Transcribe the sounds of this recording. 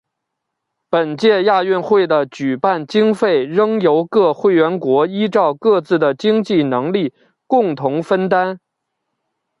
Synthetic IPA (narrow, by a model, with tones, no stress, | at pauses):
pə˨˩nt͡ɕjɛ˥˧ja˥˧ɥy˥˧nxwe˥˩ɪd̪ə˩t͡ɕy˨˩pa˥˩nt͡ɕi˥ŋfe˥˩ɪɻɤ˥ŋjo˧˥ʊkɤ˥˧xwe˥˩ɪɥɛ˧˥nkwɔ˧˥i˥ʈ͡ʂɑ˥˧ʊkɤ˥˧t͡sɹ̩˥˩d̪ə˩t͡ɕi˥ŋt͡ɕi˥˩nɤ˧˥ŋli˥˩ | kʊ˥˩ŋt̪ʰʊ˧˥ŋfə˥nt̪a˥n